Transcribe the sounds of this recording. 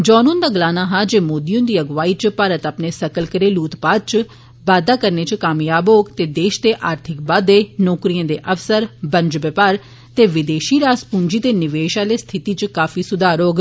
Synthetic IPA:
d͡ʒɔːnõːnd̪aːɡəlaːnaːɦaːd͡ʒeːmoːd̪ijõːd̪iːəɡʋaːiːt͡ʃpaɾət̪apneːsəkəlkəɾeːluːt̪paːd̪̚t͡ʃ | ʋaːd̪aːkəɾneːt͡ʃkaːmjaːboːɡt̪eːd̪eːʃt̪eːʔaːɾt̪ʰɪkbaːd̪eːnɔːkɾijãːd̪eːʔəfsəɾbə̃nd͡ʒbɪpaːɾ | t̪eːʋɪd̪eːʃiːɾaːspũːɲd͡ʒiːt̪eːnɪʋeːʃaːleːst̪ʰɪt̪iːt͡ʃkaːfʰiːsʊd̪aːɾoːɡ

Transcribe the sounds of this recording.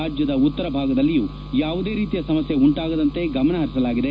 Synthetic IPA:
aːd͡ʒjɐd̪ɐut̪ːɐɾɐbʱaːɡɐd̪ɐlːijuː | jaːʋud̪e̞ːɾiːt̪ijɐsɐmɐsjeuɳʈaːɡɐd̪ɐnt̪e̞ɡɐmɐɳɐɦɐɾisɐlaːɡid̪e̞

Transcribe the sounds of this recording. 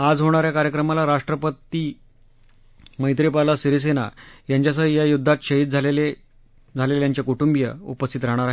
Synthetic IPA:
ad͡zɦoɽ̃aɾjakaɾjəkɾəmalaɾaʂʈɾəpət̪i | məjt̪̬ɾipalasiɾis̬ena̰jaɲt͡ɕjas̬əjajud̪ʱːat̪ɕəɦit̪̚d͡zʱalele | d͡zʱalelejaɲt͡ɕjakuʈumbjə̰ṵpəst̪ʰit̪ɾaɦɽ̃aɾaɦ

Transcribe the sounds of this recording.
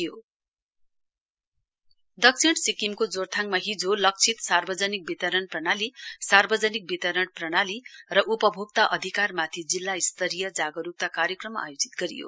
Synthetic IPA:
jo | d̪ʌksʰiɽsikimkod͡zort̪ʰaŋmaɦid͡zolʌk̚t͡sʰit̪sarbʌd͡zʌnik̚bit̪ʌɾʌɳprʌɽalisarbʌd͡zʌnik̚bit̪ʌɾʌɳprʌɽalirʌʔupʌbʱoɡ̚t̪aʔʌd̪ʱikarmat̪ʰid͡zilːaist̪ʌɾijʌd͡zaɡʌɾup̚t̪akaɾjʌkrʌmːa̰jod͡zi̥t̪̚ɡʌɾḭjo̰

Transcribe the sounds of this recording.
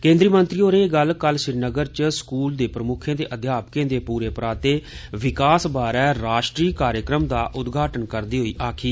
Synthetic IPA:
kẽːnd̪ɾiːmənt̪ɾiːoːɾeːɡəlkəlʃɪɾnəɡəɾt͡ʃskuːld̪eːpɾəmʊkʰjẽːd̪eːʔəd̪ʱjaːpkẽːd̪eːpuːɾeːpɾaːt̪eːʋɪkaːsbaːɾɛːɾaːʃʈɾiːkaːɾjəkɾəmd̪aːʔʊd̪ɡʱaːʈənkəɾd̪iːɦoiːʔaːkʰiː

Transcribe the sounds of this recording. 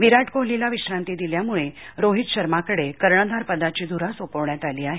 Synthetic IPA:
ʋiɾaʈkoɦlilaʋiɕɾãnt̪id̪iljamuɭeɾoɦit̪ɕəɾmakəɽekəɾɳəd̪ʱaɾpəd̪at͡ɕiːd̪uɾasopəʋɳjat̪aliːaɦe

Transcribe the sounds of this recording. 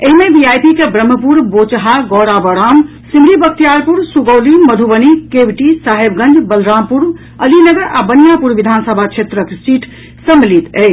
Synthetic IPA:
eɦimebiajpikebɾəmːəpuɾbot͡ʃɦaɡɔɽabəɾam | simɾibək̚t̪ijaɾpuɾsuɡəwliməd̪ʱubənikebʈisaɦebɡə̃nd͡ʒʱbəlɾampuɾ | əlinəɡəɾabənijapuɾʋid̪ʱansəbʱat͡ʃʰet̪ɾəkesiʈʰ | səmilit̪ḛj

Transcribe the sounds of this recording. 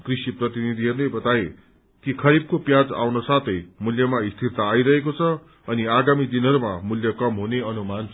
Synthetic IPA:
krisiprʌt̪inid̪ʱiɦʌrnebʌt̪aje | kikʰʌɾib̚kopjad͡za̰wnʌsat̪ʰʌjmuljʌmaist̪ʰirt̪aːiɾʌɦekot͡sʰʌ | ʌniaɡamid̪inɦʌɾuma̰muljʌkʌmɦuneʌnuman

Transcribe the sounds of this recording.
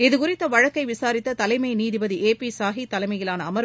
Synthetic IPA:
ɪðɯkʊrɪt̪ːɐʋɐɻɐkːɐɪʋɪsaːɾɪt̪ːɐt̪ɐlɐɪmɐɪniːðɪbɐðiʔeːpisaːɦit̪ːɐlɐɪmɐjɪlaːnɐːmɐɾ

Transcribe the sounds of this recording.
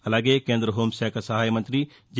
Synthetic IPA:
ɐlaɡekẽːnd̪ɾəɦoːmsɛːksɐɦaːjmɐ̃nt̪ɾi | d͡ʒ

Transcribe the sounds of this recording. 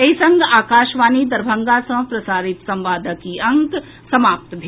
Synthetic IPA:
eisɐŋɡaːkaːʃʋaːnid̪ɐɾbʱə̃ŋɡaːsɐ̃ɦpɾɐsaːɾɪt̪sɐ̃mʋaːd̪ʱəkiɐ̃ŋk | sɐmaːp̚t̪bʱ

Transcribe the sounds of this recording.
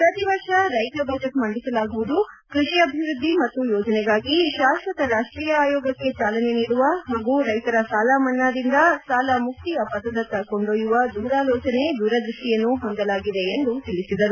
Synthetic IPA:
pɾɐt̪iʋɐɾʂɐɾɐjt̪ɐbʱɐːd͡ʒeʈmɐɳɖisɐlaːɡuʋud̪u | kɾiʂiɐbʱiʋɾud̪ʱːimɐt̪ːujɔːd͡ʒɐnɛɡaːɡiʃaːsɾɐt̪ɐɾaːʂʈɾiːjɐaːjɔːɡɐkːe̞t͡ʃaːlɐne̞niːɽuʋɐɦaːɡuɾɐjt̪ɐɾɐsaːlaːmɐnːaːd̪ind̪ɐsaːlɐmuk̚t̪ijɐpɐd̪ːɐd̪ɐt̪ːɐko̞ɳɖoːjuʋɐd̪uːɾaːlɔːt͡ʃɐne̞d̪uːɾɐd̪ɾuʂʈijɐnːuɦond̪ɐlaːɡid̪e̞ːnd̪ut̪ilisid̪ɐɾu

